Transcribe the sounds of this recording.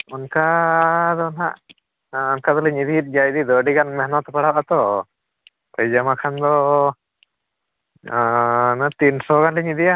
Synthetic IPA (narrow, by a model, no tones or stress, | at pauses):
unkad̪ɔnɦaʔ | ɔnkad̪ɔlɛɲid̪iit̪̚ˀd͡ʒajd̪id̪ɔɖiɡanmɛɦnɔt̪ɔpaɽabat̪ɔ | pəjd͡ʒamakʰand̪ɔ | nat̪insɔɡanlɛɲid̪ija